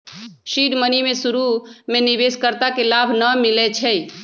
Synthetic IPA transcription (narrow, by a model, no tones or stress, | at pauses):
ʃiɖmənimesuɾumenibeskəɾt̪akelabʱnəmilet͡ʃʰɛ